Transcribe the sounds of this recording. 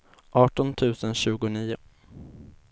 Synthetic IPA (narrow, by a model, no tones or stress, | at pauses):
ʔɑːʈɔnt̪ʰʉ̟ːsənɕʉ̟ːɡʊniːʊ